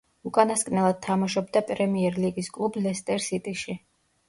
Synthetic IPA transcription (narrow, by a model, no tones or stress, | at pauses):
ukʼanaskʼnɛlˠad̪̥̚t̪ʰamaʃɔb̚d̪apʼɾɛmiɛɾliɡiskʼlˠublɛst̪ʼɛɾsit̪ʼiʃi